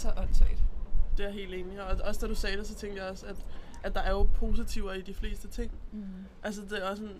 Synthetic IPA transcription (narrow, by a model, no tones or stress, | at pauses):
sɒʔɒn̰sʰɛɪd̥d̥e̝æɐɦe̝̰ːld̥e̝ːniɒɒɒ̽sd̥æɾ̥usɛːd̥e̝sɒ̽t͡sʰeŋ̰ɡ̥ɐjɑ̈ɒ̽sæd̥ | ʔæ̥d̥ɑ̈æɐjo̝pʰo̝ːsit͡sʰiʊ̰ɐid̥ifle̝̰ːsd̥ət͡sʰe̝ŋ̰ | ʔælsəd̥e̝æɒ̽sɔn